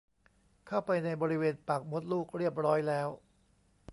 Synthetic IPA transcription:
kʰa˥˩wpa˧jna˧jbɔː˧ɾi˦weː˧npa˨˩k̚mo˦˥t̪̚luː˥˩k̚ɾi˥˩əp̚ɾɔː˦˥jlɛː˦˥w

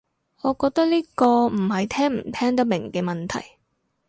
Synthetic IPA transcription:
ŋɔː˨˧kɔː˧k̚t̪ɐ˥k̚liː˥kɔː˧m̩˨˩hɐ˨jt̪ʰɛː˥ŋm̩˨˩t̪ʰɛː˥ŋt̪̬ɐ˥mɪ˨˩ŋkɛː˧mɐ˨nt̪ʰɐ̰˨˩j

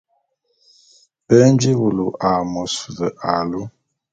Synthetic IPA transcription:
pə˦n˦d͡ʒi˦wu˨lu˨ʔa˨mɔ˨su˨zə˨ʔa˨lu˦

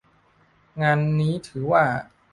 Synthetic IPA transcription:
ŋaː˧nːiː˦˥t̪ʰɯː˩˦waː˥˩

